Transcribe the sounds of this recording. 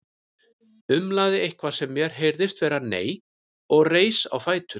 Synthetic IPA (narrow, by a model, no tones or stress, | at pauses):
ʏmlaːðɪejhkvḁsɛmːjɛɾ̥ɦejɾðɪst̪vɛːɾanḛːj | ɔɣreːjsa̰wfaːjt̪ʏ